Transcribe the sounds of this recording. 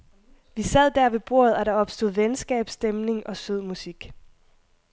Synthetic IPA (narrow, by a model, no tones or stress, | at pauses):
ʋisæð̞̰ˠd̥æɐ̰ʋe̝b̥o̝̰ːɐ̰ð̞̩ˠæɾ̥ɑ̈ɒ̽b̥sd̥o̝ð̞̩ˠʋensɡ̥ɛ̰ːb̥sd̥emne̝ŋʔɒ̽søð̰ˠmusiɡ̥